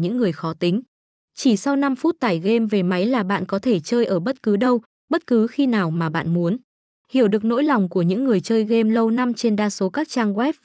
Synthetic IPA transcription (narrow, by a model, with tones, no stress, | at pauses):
ɲɨ̰˧˥ŋːɨ˨˩əjxɔ˨˦t̪ï˨˦ŋ̟ | t͡ɕi˧˩sa˧wna˧mfu˦˥t̚t̪aː˨˧˩jɣe˧mve˨˩ma˨˦jlaː˨˩ɓa̰ː˧˨nkɔ˨˦t̪ʰe˧˩t͡ɕəː˧jʔəː˧˩ɓə˦˥t̚kɨ˨˦ɗə˧w | ɓə˦˥t̚kɨ˨˦xi˧naː˨˩wmaː˨˩ɓa̰ː˧˨nmu˨˦ən | hi˧˩əwɗɨ˨˩ək̚no̰˧˥jlɔ˨˩wŋ͡mku˧˩əɲɨ̰˧˥ŋːɨ˨˩əjt͡ɕəː˧jɣe˧mlə˧wna˧mt͡ɕe˧nɗaː˧so˨˦kaː˦˥k̚t͡ɕaː˧ŋɣwɛ˦˥p̚